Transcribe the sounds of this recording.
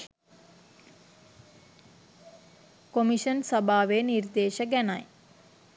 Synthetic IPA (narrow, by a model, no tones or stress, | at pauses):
komiʃənsɐbʱaːʋeːnird̪eːʃəɡænaj